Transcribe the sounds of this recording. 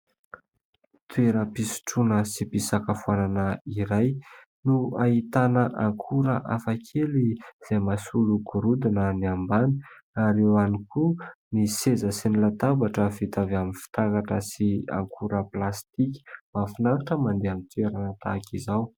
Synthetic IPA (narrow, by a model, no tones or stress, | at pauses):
t̪ʰweɾəpisi̥ʈ͡ʂunəsipisakafuananəiɾaj | nuaɦit̪anəʔaŋkʰuɾəʔafakʰeliz̥ajmasuluɡuɾud̪inəniambani̥aɾewanikunisezəsinilat̪abaʈ͡ʂəfit̪avaminfi̥t̪akaʈ͡ʂəsia̰ŋkʰuɾəplast̪iki̥mafinaŋaʈ͡ʂəmand̪eamit̪weɾanət̪a̰kizaw